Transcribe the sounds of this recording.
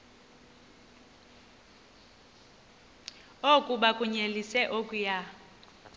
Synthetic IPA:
okʼuɓakʼuɲelisɛʔokʼuja

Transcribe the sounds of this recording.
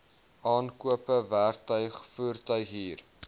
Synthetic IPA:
ɑːnkuəpəværtœɥχfuːrtœɥχɦiːr

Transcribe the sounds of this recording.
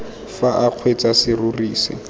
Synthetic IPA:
faʔaq͡χʰwet͡sasɪruriːsɪ̰

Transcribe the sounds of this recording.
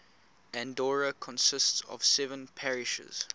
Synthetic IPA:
æ̃ndɔɹəkʰɔ̃nsɪstsɔ̰v̥sɛvə̃npʰɛɹɪʃə̰z̥

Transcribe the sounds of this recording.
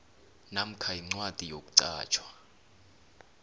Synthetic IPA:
nam̩kʰaiŋ͡ǀwatʼijok̬ʼu̥ǀa̰ːt͡ʃʰwḁ

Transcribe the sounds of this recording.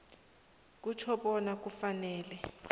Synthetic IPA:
k̬ut͡ʃʰɔɓɔnak̬ʼufanɛːlɛ

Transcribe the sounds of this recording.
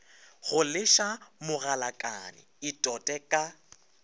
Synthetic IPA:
ɣʊlɪʃamʊɣalakʼa̰nɪ̰ | ɪtʼɔtʼɛkʼa

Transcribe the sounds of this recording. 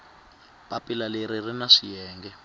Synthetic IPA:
pʼapʼilaleɾirinaʂijɛːŋɡɛ

